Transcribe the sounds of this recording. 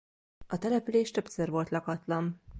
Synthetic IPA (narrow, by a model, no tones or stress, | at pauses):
ɒt̪ɛlɛpyleːʃt̪ø̞psørvo̞lt̪lɒkɒt̪lɒn